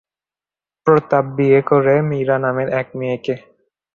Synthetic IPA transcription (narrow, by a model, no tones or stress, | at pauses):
pɾɔt̪abːiekɔɾemiɾanameɾɛk̚mieke